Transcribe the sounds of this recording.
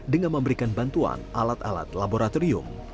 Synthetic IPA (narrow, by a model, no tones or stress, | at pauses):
dəŋanməmbəɾikanbant̪ua̰nʔalat̪ala̰t̪laboɾat̪oɾiʊ̰m